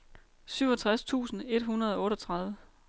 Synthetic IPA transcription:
syʊɒt͡sʰʁast͡sʰṵːsn̩e̝d̥ɦunɐð̞ˠɒ̽ɔ̽ːɾɒt͡sʰʁɑ̈ð̞ˠʋə

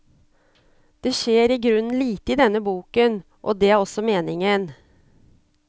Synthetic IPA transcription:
d̪̥ɛʃeːɾɪɡɾʉnːliːt̪əɪd̪ɛnːəbuːkən | ʔɔ̰d̪ɛæɾɔsɔmeːnɪŋən

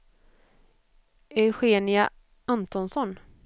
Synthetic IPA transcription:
ʔɛɧeːnɪa | ant̪ɔnsɔn

